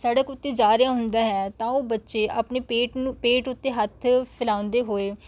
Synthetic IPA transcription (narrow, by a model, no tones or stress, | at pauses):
saːɖəkʊt̪ːeːd͡ʒaːɾɪjaːɦʊnd̪aːɦɛːt̪ãːoːbətːʃeːʔaːpneːpeːʈːpeːʈʊt̪ːeːɦət̪ʰpʰɪlaːʊ̃nd̪eːɦoːeː